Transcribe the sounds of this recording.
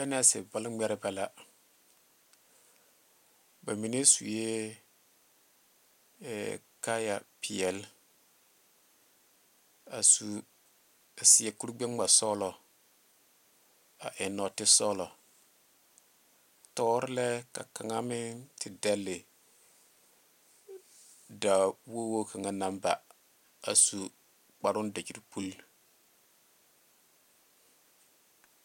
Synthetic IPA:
bɛ˦n˦a˦˨sɪ̰˨bɔ˦lŋ͡mɛ˦ɾɪ˦bɛ˦la˦ | ba˨mi˨ne˦sṵ˨je˦˨ | ka˦ja̰˨pʰi˨ɛ˨l | a˨su˨ | a˨sɪ˨ɛ˨ku˦ɾɡ͡be˦ŋ˦a˨sɔː˦lɔ˨ | a̰˨ʔɪ˨nɔ˨tɪ˦sɔ˦lɔ˨ | tɔː˦ɾɪ˦lɛ˦ka̰˨ka˨ŋa˦mɪ˦tʰɪ˨dɛ˦lːɪ˨ | da˨wo˦wo˦kʰa˨ŋa˦na˨˦mba̰˨ | a̰˨su˨ | k͡pa˨ɾʊ˦n˦da˨d͡ʒi˨ɾi˨pu˦l

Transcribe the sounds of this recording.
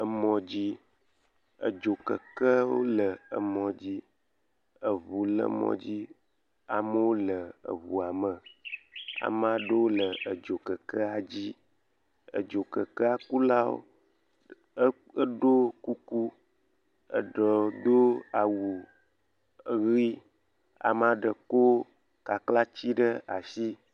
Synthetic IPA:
ə˨mɔ̃˨d͡ʑi˦ | ə̰˨d͡ʒo˨kə̰˨kə˦wo̰˦lə˨ə̰˨mɔ̃˨d͡ʑi˦ | ə˨vu˨lə̰˦mɔ̰̃˨d͡ʑi˦ | a̰˨mə˦wo˦lə˨ə̰˨vu˨a˨mə˨ | a̰˨m˦a˨˦ɖə˦wo˦lə˨ə˨d͡ʒo˨kə˨kə˦a˨d͡ʑi˦ | ə̰˨d͡ʒo˨kə˨kə˦a˨ku˦la˦wo̰˦ | ə˦ɖo˦ku˦ku˦ | ə̰˨ɖə˨d̪o˦a˨wu˨ | ɣi˦ | a̰˨m˦ã˦ɖə˨ko˦ | ka˨kla˦t͡ɕi˦ɖə˦a˨ʃi˦

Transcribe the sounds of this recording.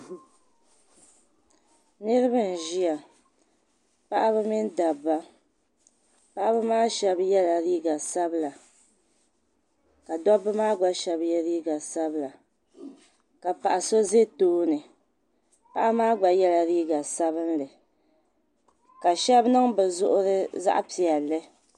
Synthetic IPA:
nɨ˦ɾɨ˦bɨ˦n̩˨ʒi˦ja˨ | pa˦ʔa˦bɨ˦mi˦n˦da˨bːa˦ | pa˦ʔa˦bɨ˦maː˦ʃɛ˦bjɛ˦la˨ɾiː˦ɡa˨sa˦bla˨ | ka˨dɔ˦bɨ˦maː˦ɡ͡ba˦ʃɛ˦bjɛ˦ɾiː˦ɡa˨sa˦bɨ˦la˨ | ka˨pa˨ʔa˨so˦ze˦toː˦nɨ˨ | pa˦ʔa˦maː˦ɡ͡ba˨jɛ˦la˨ɾiː˦ɡa˨sa˦βɨ˦nlɨ˨ | ka˨ʃɛ˦bnɨ˦ŋbɛ˨zʊ˦ʔʊ˦ɾɨ˦za̰˦ʔa˦pi˨ɛ˨lːɨ˦

